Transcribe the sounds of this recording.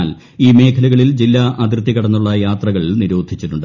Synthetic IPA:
l | iːme̞ːkʰɐluɣɐɭild͡ʑilːaʔɐd̪rɨt̪ːikɐɽɐnːuɭːɐjaːt̪rɐɣɐɭniɾoːd̪ʱit͡ɕːiʈːuɳɖɨ

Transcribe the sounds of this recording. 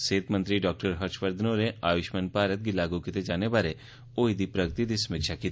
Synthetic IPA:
seːt̪mə̃nt̪ɾiɖɔːk̚ʈəɾɦɐɾt͡ʃpəɾd̪ʱnoɾeaːʋɪʃmənpaːɾət̪̚ɡilaːɡukɪt̪ed͡ʒaːnebaːɾe | oːid̪ipɾəɡət̪id̪isɐmɪkʃakiːt̪

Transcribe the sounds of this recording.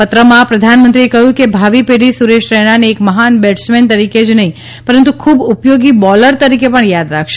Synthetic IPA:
pət̪ɾəmãpɾəd̪ʱanmənt̪ɾiekəɦjũkebʱaʋipeɽisuɾeʃɾɛɽ̃aneːkməɦanbɛʈsment̪əɾiked͡ʒnəɦĩ | pəɾənt̪ukʰubupjoɡibɔləɾt̪əɾikepəɳjad̪ɾakʰʃe

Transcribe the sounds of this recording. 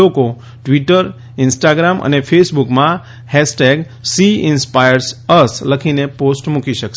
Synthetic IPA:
oko | ʈʋiʈəɾ | ɪnsʈaɡɾamʔə̰nefʰesbukmã | hɛsʈeɡ | siɪnspajəɾsəsləkʰineposʈmukiʃəke

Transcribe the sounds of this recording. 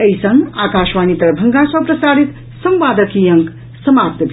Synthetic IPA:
əjsʌŋɡaːkaʃʋaːnit̪ɐɾbʱɐŋɡãsʌpɾɐsaːɾit̪ | sʌ̃mʋaːd̪əkijʌŋk | sʌmap̚t̪bʱ

